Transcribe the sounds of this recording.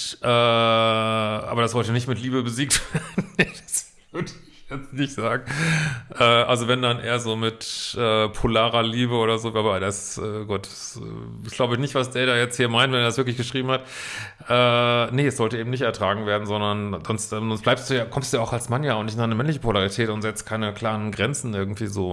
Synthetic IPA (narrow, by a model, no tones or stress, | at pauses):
ʔɛː | ʔa̰ːbɐdasz̥ɔltənɪçtmɪtliːbəbəziːk̚tv̥ɐdnːed̥as | v̥vʏɐdəɪçjɛt͡stnɪçtz̥aːɡŋ̩ʔɛːʔa̰lzovɛndanʔḛːɐzoːmɪtʔɛːpʰolaːʁɐliːbəoːdɐzoːɡlaːbadasʔɛ̰ːɡuːt̚d̥ḁsɛ̰ | sɡ̥laʊbəɪçnɪçtv̥asd̥eːɐdaːjɛt͡sthiːɐmaɪntvɛnɛːɐdasvɪɐklɪçɡ̥əʃʁ̥iːbm̩hat | ʔɛːnəɛsz̥ɔltəʔeːbmnɪçtɛɐtʁ̥aːɡŋ̩veːɐdn̩zɔndɐnzɔnstɛzɔnstb̥laɪpstd̥uːjaːkʰɔmstd̥uːjaaʊxalsmanjaːʊntnɪçtnaɪnəmɛnlɪçəpʰolaʁitʰɛːtʊntz̥ɛt͡stkʰaɪnəkl̥aːʁənɡʁɛnt͡sn̩ʔɪɐɡŋ̩tv̥iːzoː